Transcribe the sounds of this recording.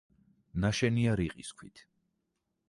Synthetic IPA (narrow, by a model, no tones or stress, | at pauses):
naʃɛniaɾiqʼiskʰwit̪ʰ